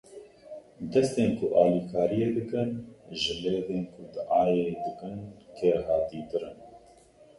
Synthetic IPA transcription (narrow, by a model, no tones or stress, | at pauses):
d̪ɛst̪eːnkʰʊʔɑːlikʰɑːɾijeːd̪ɨkɨnʒɨleːd̪eːnkʰʊd̪ɨʔɑːjed̪ɨkɨnkʰeɾɦɑːt̪id̪ɨɾɨn